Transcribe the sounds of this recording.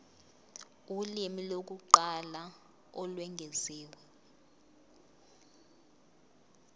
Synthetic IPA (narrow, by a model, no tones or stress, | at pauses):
ulimilok̬uǃala | ɔlwɛŋʱɛziːwɛ